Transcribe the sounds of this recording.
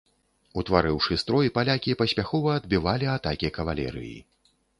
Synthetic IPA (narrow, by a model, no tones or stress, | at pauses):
ut̪vaɾɨwʂɨst̪ɾɔjipalʲakʲipɐsʲpʲaxɔvɐɐd̪bʲivalʲiat̪akʲikɐvalʲɛ̰ɾɨ̰jḭ